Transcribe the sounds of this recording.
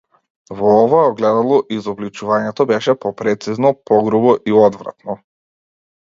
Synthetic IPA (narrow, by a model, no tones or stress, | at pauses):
vɔɔvaɛɔɡlɛd̪alˠɔʔizɔblit͡ʃuvaɲɛt̪ɔbɛʃɛpɔpɾɛt̪siznɔpɔɡɾubɔʔiɔd̪vɾa̰t̪nɔ